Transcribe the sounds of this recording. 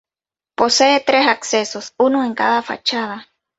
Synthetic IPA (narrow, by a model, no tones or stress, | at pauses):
poseːt̪ɾesaksesosunoeŋkaðafa̰t͡ʃaða